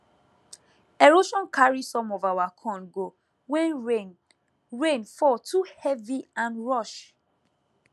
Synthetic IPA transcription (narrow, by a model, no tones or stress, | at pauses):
eɹoʃɔ̃nkʰaɹisɔ̃mɔvawakʰɔ̃nɡo | wɛ̃ne | ɹẽnfɔtʰuhɛviãnɹɔʃ